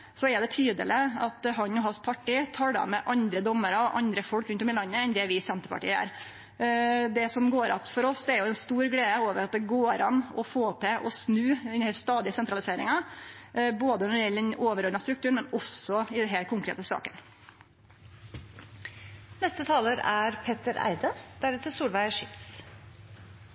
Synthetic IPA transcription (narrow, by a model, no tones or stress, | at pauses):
sɔɛɖ̪ɛt̪ʰyːd̪ə̰lɪɑt̪ɦɑnɔɦɑnspʰɑʈːiːt̪ʰɑɽɑ̰mɛʔɑnd̪ɾəd̪ɔmːəɾɑɔʔɑnd̪ɾəfɔlkɾʉnt̪ɔmɪlɑnːəɛnd̪ɛʋɪsɛnt̪əɾpʰɑ̰ʈḭːəæ̰ːɾ | d̪ɛsɔmɡoːɾɑ̰t̪fɔɾɔsd̪ɛæɾjʊɛnst̪uːɾɡleːd̪əoːʋəɾɑt̪̚d̪ɛɡoːɾɑnːɔfoːt̪ʰɛʔɔsnʉːɛnhɛlst̪ɑːd̪ɪəsɛnt̪ɾɑlɪseːɾɪ̰ŋɑ | boːd̪ənɔɾɪɛlːd̪ɛnoːʋəɾɔd̪nɑst̪ɾʉk̚t̪ʉːɳmɛnɔsːɔɪd̪ɛnɦɛlkʰʊŋkɾḛːt̪əsɑ̰ːkən | nɛst̪ət̪ʰɑːləɾæɾpʰet̪əɾæ̰ɪd̪əd̪̥æɾɛt̪əsuːlʋæɪəʂɪt̪s